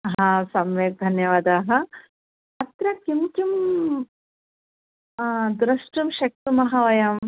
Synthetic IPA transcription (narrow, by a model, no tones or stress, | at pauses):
ɦɦãːsɐmʋeːt̪̚d̪ʱɐnjɐʋaːd̪aːɦɐ̆ | ɐt̪ɾɐkimt͡ʃum | d̪ɾɐʂʈumʃɐk̚t̪umɐɦɐʋɐjɐm